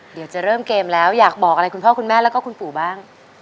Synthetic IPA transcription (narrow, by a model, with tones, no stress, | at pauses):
di˩˦wt͡ɕa˨˩ɾɤː˥˩mkeː˧mlɛː˦˥wjaː˨˩k̚bɔː˨˩k̚ʔa˧ɾa˧jkʰu˧npʰɔː˥˩ku˧nmɛː˥˩lɛː˦˥wkːɔː˥˩kʰu˧npuː˨˩baː˥˩ŋ